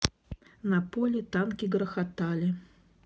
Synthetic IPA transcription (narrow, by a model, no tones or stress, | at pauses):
nɐpɔlʲɛt̪ankʲiɡɾɐxat̪alʲɪ